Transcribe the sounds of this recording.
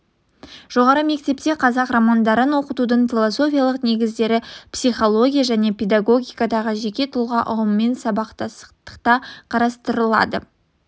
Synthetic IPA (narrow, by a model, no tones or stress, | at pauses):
ʒ̥o̞ʁɑɾəme̞k̚t̪e̞pt̪e̞qʰɑzɑqramand̪ɑɾənwo̞qət̪ud̪əɴfʲilˠo̞so̞fʲijalˠəqne̞ɡʲɪzd̪e̞ɾɪpsijχo̞lˠo̞ɡʲijaʒæne̞pʲe̞d̪aɡo̞ɡʲijkɑd̪ɑʁəʒe̞kʲe̞t̪ʰʊlˠʁɑʔʊʁəmːe̞nsɑbɑqt̪ɑsə̥qt̪ə̥qt̪ɑqʰɑɾɑst̪əɾəlˠɑ̰d̪ə